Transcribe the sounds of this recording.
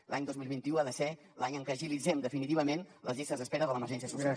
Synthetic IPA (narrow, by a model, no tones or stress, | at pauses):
lʔaɲd̪ɔzmilˠβint̪iuaðəsɛ | laɲəŋkəʒilid͡zɛmd̪əfinit̪iβəmenləzʎist̪əzðəspɛɾəðələməɾʒɛns̬iəsusa